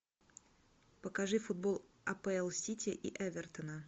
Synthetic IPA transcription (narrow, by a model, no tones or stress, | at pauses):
pəkaʐɨfʊd̪̚bolˠ | ɐpɛɛlˠsʲitʲɪʔiʔɛvʲɛrt̪ənə